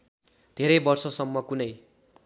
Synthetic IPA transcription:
d̪̥ʱeɾʌjbʌrsʌsʌmːʌkunʌj

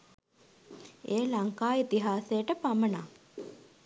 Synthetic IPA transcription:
eːlaŋkaːit̪iɦaːsejəʈəpaməna

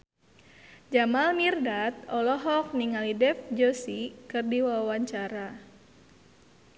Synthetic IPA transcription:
d͡ʒamalmirdat̪̚ɔlɔɦɔk̚niŋalidɛfd͡ʒosikɨrdiwawaɲt͡ʃaɾa

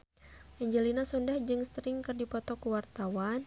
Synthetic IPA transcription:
ʔɛɲd͡ʒɛlinasɔndahd͡ʒɨŋst̪ɾɪŋkɨrdipɔt̪ɔkuwart̪awan

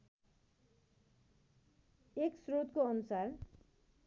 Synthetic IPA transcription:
eksrot̪koʌnusar

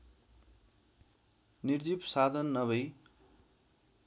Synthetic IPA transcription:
nird͡zipsad̪ʱʌnːʌβʌj

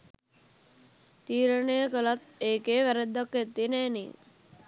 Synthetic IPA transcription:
t̪iːɾənəjəkəlat̪eːkeːʋæɾed̪ːakːet̪ːinæːnḭ

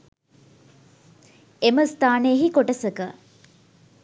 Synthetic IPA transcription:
eməst̪aːnejəɦikoʈəsəkə

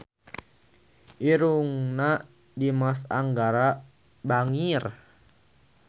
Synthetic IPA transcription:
ʔiɾuŋna | dimasa̰ŋɡaɾa | baŋir

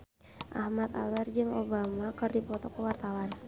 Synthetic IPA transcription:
ʔa̰hmat̪a̰wɛrd͡ʒɨŋobamakɨrdipɔt̪ɔkəwart̪awan

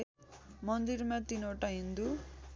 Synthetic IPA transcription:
mʌnd̪iɾmat̪inoʈaɦind̪u

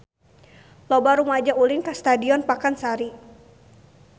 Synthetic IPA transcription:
lɔbaɾumad͡ʒaʔulɪnkast̪adiɔnpakansaɾi

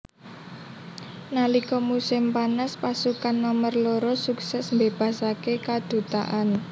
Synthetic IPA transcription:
nalikɔmusɪmpanəspasukanːɔmərloɾosuksɛsmbeb̥ä̤sakekad̪̥ṳt̪a̰ʔan

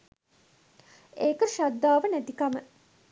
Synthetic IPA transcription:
eːkəʃad̪ːaːʋənæt̪ikamə

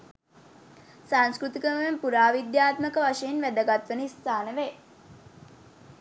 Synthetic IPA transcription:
sanskɾut̪ikəməʋempuɾaːʋid̪jaːt̪məkəʋaʂejinʋæd̪əɡat̪ʋənəist̪aːnəʋe

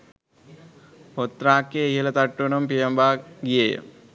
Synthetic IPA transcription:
pot̪ːɾaːkːeːjɐlɐt̪ɐʈːuɳɐmpijɐmbaːɡijejɐ̰

